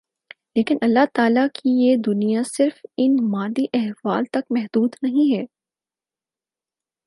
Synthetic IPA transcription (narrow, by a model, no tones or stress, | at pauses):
leːkɪnɐlːaɦt̪aːlakʰijed̪ʊnijasɪɾfɪnmaːd̪iʔɛɦʋaːlt̪ɐkmɛɦd̪uːd̪nɐɦĩɦɛː